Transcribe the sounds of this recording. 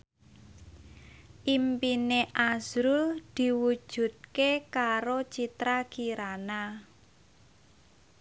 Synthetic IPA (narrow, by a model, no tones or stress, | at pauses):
ʔimpineʔaz̥ɾud̪̥i̤wu̥ʒ̥ṳt̪̚kekaɾot͡ʃit̪ɾakiɾana